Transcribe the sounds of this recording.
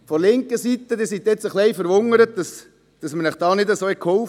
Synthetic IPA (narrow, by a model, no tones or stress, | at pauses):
fɔlɪŋkəsit̪ːəd̪ɪsit̪ːɛt͡səχlɛɪfəɾʋʊŋəɾət̚d̥ɑs | d̥ɑsmənɛχd̥ɑːnɪd̪əsoːɛkʰhoʊf